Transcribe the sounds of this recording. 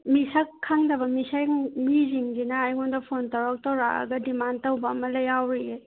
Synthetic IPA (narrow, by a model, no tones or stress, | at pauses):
misakʰːaŋdɐbɐmisajmiziŋzinaːjɡundɐpʰontawɾak̚tɐwɾa̰ʔɐ̰ɡɐdimantɐwbɐːmɐlɐjawɾie